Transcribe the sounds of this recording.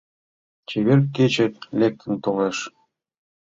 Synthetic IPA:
t͡ɕeβerket͡ɕĕlʲek̚t̪ʰə̆nt̪oleʃ

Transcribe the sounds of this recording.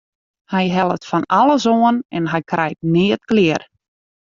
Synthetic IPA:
hɛjɦɛlˠətfɔnalˠəzoːənɛnɦɛjkrʔɛjt̚nɪːətklɪər

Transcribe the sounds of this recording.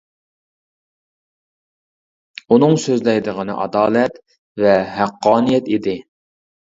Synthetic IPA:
unɨŋsøzlɛjd̪əʁənɨ̰ʔɑ̰d̪ɑːlˠɛt̪ | vɛɦæqːɑːnijɛt̪id̪ɪ

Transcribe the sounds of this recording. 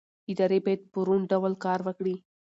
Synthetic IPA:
id̪ɑɾebajd̪̚pəɾuɳɖawəlkɑɾʋəkɽi

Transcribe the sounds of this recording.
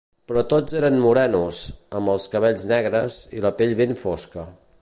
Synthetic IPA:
pɾɔt̪od͡zeɾənmuɾɛnuzəmbəlˠskəβ̞ɛʎznɛɣɾəzḭləpeʎβeɱfoskə

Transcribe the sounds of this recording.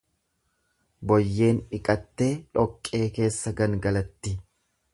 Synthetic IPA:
bɔjːe̞ːnᶑɪkʼɐt̪ːe̞ːᶑɔkʼːe̞ːke̞ːsːɐɡɐŋɡɐlɐt̪ːɪ

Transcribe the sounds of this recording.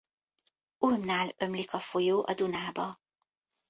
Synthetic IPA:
ulmnaːlø̞mlikɒfo̞joːʔɒ̰d̪unaːbɒ

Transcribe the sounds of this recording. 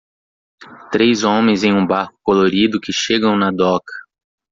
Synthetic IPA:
t̪ɾejzõmẽj̃zẽj̃ũbaɾkʊ̥koloɾid̪ʊkɪʃeɡɐ̃w̃nɐd̪ɔkɐ̥

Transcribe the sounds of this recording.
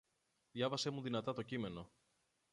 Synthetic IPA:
ðʝɐvɐse̞muðinɐt̪ɐt̪o̞cime̞no̞

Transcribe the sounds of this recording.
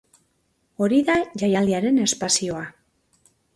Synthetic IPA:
o̞ɾiðaʝajald̪iaɾe̞ne̞spasio̞a

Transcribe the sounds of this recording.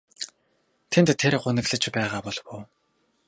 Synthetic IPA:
t̪ʰent̪ʰːeɾɢʊnɘ̆ɣɮə̆t͡ɕpæːʁaːpɔɮwʊː

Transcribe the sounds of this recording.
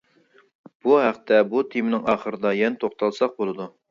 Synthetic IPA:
b̥uɦæqt̪ʰɛbut̪ʰimnɪŋɑːχəɾɨd̪ɑjɛnɛt̪ʰoχt̪ɑlˠsɑq̚bolˠɨd̪u

